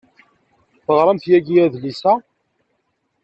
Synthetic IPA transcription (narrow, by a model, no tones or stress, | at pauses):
θəʁɾˤəmθjæɡiæðlisæ